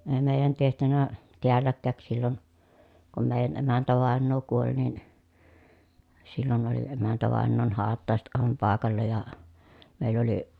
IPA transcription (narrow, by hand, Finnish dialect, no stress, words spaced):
eː meˑi̯jæn tehtynæ teælːækːæˑk silːon kum meˑijæn emæntæʋɑˑenːoː kuolʲ nin silːon oli emæntæʋɑˑenːoːn hɑːtːɑˑeset ʔɑˑeʋɑm pɑˑekɑlːɑ jɑ meˑilː oli